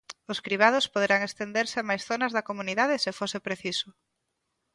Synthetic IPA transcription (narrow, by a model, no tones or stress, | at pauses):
ʊskɾiβ̞að̞ʊspoðeɾaŋest̪end̪eɾsɪamajsθonɐzðɐkomuniðaðesɪfosepɾeθisʊ